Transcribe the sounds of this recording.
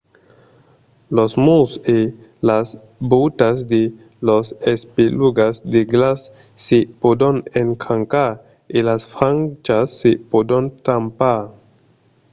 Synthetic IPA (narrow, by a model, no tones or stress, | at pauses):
losmuse | las | but̪asd̪e | losespiluɡasd̪eɡlasː | epodoneŋkʰaŋka | elasfaŋt͡ʃasːepod̪ont̪ampa